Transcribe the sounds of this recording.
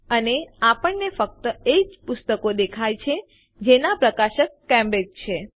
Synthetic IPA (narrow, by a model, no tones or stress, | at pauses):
əneapəɳnefək̚t̪əed͡ʒpʊst̪əkod̪ekʰajt͡ʃʰe | d͡ʒenapɾəkaʃəkːɛ̃mbekt͡ʃʰe